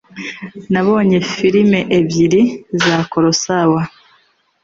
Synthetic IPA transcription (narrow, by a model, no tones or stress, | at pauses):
naβo̞ːɲefiɾimeʔeβjiɾizaːko̞ɾo̞sawa